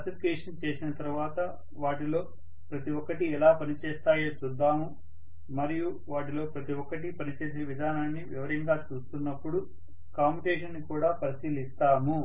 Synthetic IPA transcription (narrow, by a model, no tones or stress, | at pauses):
ɐsifikeːʂɐnt͡ʃe̞ːsinɐt̪ɐɾuʋaːt̪ɐ | ʋaːʈilo̞ː | pɾɐt̪iʋɔkːɐʈiɛlaːpɐnit͡ʃeːst̪aːjeːt͡ʃud̪ːaːmu | mɐɾiju | ʋaːʈ̬ilo̞ːpɾɐt̪iʋɔkːɐʈipɐnit͡ʃe̞ːs̬iʋid̪ʱaːnaːnːiʋiʋɐɾiŋɡaːt͡ʃuːst̪unːɐpːuɽu | kaːmiʈeːʂɐnːikuːɽaːpɐɾisiːlist̪aːmu